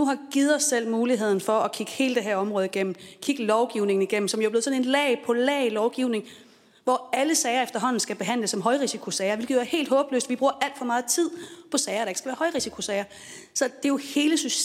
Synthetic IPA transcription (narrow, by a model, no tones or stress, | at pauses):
nuɦɑ̈ɡ̥ið̞̩ˠɒ̽sːel̰muːliɦe̝ð̞̰ˠn̩fɒ̽ɒkʰiɡ̥ə̥he̝ːləd̥eɦæɐɒ̽mʁɔ̽ðˠiɡ̥en̰m̩kʰiɡ̥əlɒʊɡ̥iʊne̝ŋn̩iɡ̥em̰m̩sɒ̽mjoblð̩ˠsne̝nlɛːɪpʰɒ̽lɛ̰ːɪlɒʊɡ̥iʊne̝ŋ | ʋɒæləsɛɪɐefd̥ɐɦɒ̽n̰n̩sɡ̥æb̥e̝ɦæn̰ləsːɒ̽mɦɒ̽ɪʁisikʰo̝sɛɪɐʋelɡ̥ðˠjoæɐhe̝̰ːld̥ɦɔ̽ːb̥lø̰sd̥ʋib̥ʁuːɐʔæl̰d̥fɒ̽mɑ̈ːð̞̩ˠt͡sʰið̞̰ˠpʰɒ̽sɛɪɐɾ̥ɑeɡ̥sɡ̥æʋæːɐhɒ̽ɪʁisikʰo̝sɛɪɐ | sɒ̽d̥e̝jo̝he̝ːləsys